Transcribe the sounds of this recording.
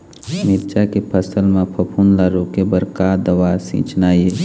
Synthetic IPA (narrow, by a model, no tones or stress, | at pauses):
miɾd͡ʒakepʰəsəlmẽpʰəpʰunlaɾoːkebəɾkad̪əʋasḭ̃ːt͡ʃnaːje